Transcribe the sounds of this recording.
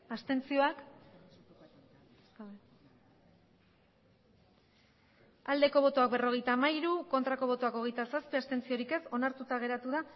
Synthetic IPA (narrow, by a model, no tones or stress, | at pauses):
ast̪e̞nt͡sio̞ak | ald̪e̞ko̞βo̞t̪oak̚bero̞ɣ̞e̞jt̪aːmaiɾuko̞nt̪ɾako̞β̞o̞t̪oako̞ɣe̞jt̪asaspiast̪e̞nt͡sio̞ɾike̞so̞naɾt̪ut̪aɣ̞e̞ɾat̪uða